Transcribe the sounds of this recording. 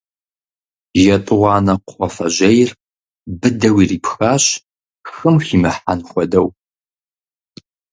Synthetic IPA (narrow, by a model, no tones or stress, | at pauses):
jɛtʼɨʁʷɑːnɐqʷχʷɔfɐʑɐjr | bɨdɐwiːriːpxaːɕ | xɨmximɨħa̰nxʷɔdɐw